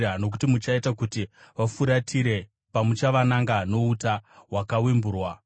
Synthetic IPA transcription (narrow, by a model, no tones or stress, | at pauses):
ano̞k̬u̥timut͡ʃaitakutiʋafuɾatʰiɾe̞ | pamut͡ʃaʋanaŋɡano̞utawakawimbuːrwa